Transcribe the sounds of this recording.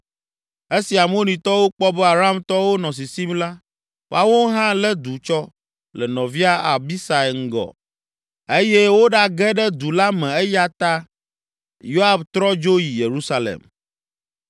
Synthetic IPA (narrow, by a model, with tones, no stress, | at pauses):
e˦si˨a˨m˦o˦nĩ˨t̪ɔ˦wo˦k͡pɔ˦bɛ˦a˨ɾa˦˨mt̪ɔ˦wo˦nɔ̃˨s̬i˨si˦mla˦ | fa˦wo˦ɦã˦lɛ˦d̪u˨t͡ʃɔ˦ | lɛ˨nɔ̃˨vi˦a˦a˨bi˦sa˨ŋ̩˦ɡɔ̰˨ | e˦jɛ˦wo˦ɖa˦ɡɛ˦ɖɛ˦d̪u˨la˦mɛ̃˨ɛ˦ja˦t̪a˦ | jo˦a˨bt̪ɾɔ˦d͡ʒo˦ji˨je˨ɾu˦sa˦lḛ˨m